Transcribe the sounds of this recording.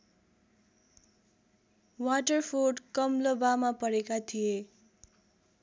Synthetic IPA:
waʈʌrpʰoɖkʌmlʌbamapʌɾekat̪ʰije

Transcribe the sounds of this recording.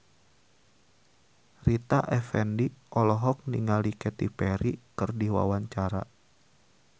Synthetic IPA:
rit̪aʔɛfɛndiʔɔlɔɦɔk̚niŋalikɛt̪ipɛɾikɨrdiwa̰waɲt͡ʃaɾa̰

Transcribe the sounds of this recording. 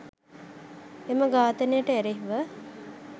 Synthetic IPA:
eməɡaːt̪ənejəʈəeɾeɦʋə

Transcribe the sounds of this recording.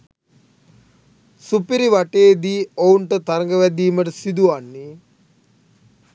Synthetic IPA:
supiɾiʋaʈeːd̪iːouɳʈət̪aɾəŋɡəʋæd̪iːməʈ̬əsid̪uanːi

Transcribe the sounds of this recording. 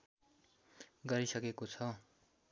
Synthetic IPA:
ɡʌɾisʌkekot͡sʰʌ

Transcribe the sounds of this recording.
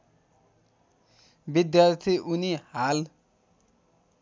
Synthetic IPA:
bid̪jart̪ʰiʔunihal

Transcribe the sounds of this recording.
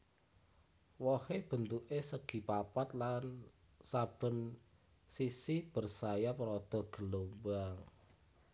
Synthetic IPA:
wɔheb̥ə̤nt̪uʔesəɡ̥i̤papat̪̚lan | sab̥ə̤n | sisib̥ərsajapɾɔd̪̥ɔ̤ɡ̥ə̤lombaŋ

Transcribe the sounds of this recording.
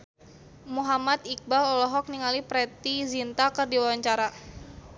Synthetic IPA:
muɦamat̪ik̚balɔlɔɦɔk̚niŋalipɾɛt̪izint̪akɨrdiwawaɲt͡ʃaɾa

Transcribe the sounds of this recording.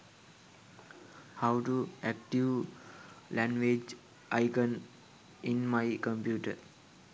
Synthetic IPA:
haʊʈuæk̚ʈiʋ | læ̃ŋʋed͡ʒ | ʔaɪkə̃n | ĩnmaɪkə̃mpjuːʈə

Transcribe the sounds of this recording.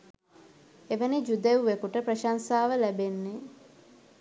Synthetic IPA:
eʋənid͡ʒud̪ewuʋekuʈəprəʃansaːʋəlæbenːe

